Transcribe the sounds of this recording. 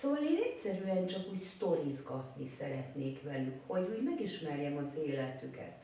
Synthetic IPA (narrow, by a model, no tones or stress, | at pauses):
sovɒleːnɛcsɛɾyɛnt͡ʃɒkuːcst̪o̞ɾizɡɒt̪nisɛɾɛt̪neːkʋɛlykho̞ɟuːɟmɛɡiʃmɛrjɛmɒzeːlɛt̪ykɛ̰t̪